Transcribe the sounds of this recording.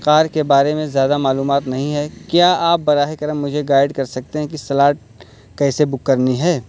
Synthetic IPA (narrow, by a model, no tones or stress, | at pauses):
qaːɾkebaːɾemẽzjaːd̪amaːluːmaːt̪nɐɦĩɦɛkjaːaːp̚bɐɾaːɦekɐɾəmːʊd͡ʒʱeɡaːɪɖkɐɾsɐk̚t̪eɦɛ̃kisɐlaːʈ̚ | kɛːsebʊkːɐɾniɦɛː